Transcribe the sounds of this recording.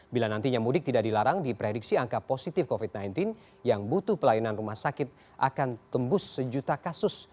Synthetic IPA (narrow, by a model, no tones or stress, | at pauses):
bilanant̪iɲamudɪk̚t̪idaʔdilaɾaŋdipɾediksiaŋkaposit̪ɪfkofit̪̚najnt̪ɪn | jaŋbut̪ʊhpəlajinanrumahsakɪt̪̚ | ʔa̰kant̪əmbʊsːəd͡ʒut̪akasʊs